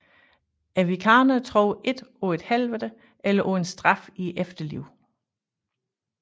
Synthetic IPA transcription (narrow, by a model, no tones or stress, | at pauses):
æʋikʰɑ̈ːnɐt͡sʰʁɔʊʔe̝d̥ɔe̝d̥hælʋədə | ʔelɐʔɔensd̥ʁɑ̈fiefd̥ɐlḭʊ̰